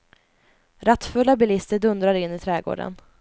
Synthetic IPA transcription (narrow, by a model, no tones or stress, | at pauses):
ɾat̪ːfɵlːabɪlɪst̪əɖɵnd̪ɾaɾɪnːɪt̪ʰɾɛːɡo̰ːɖə̰n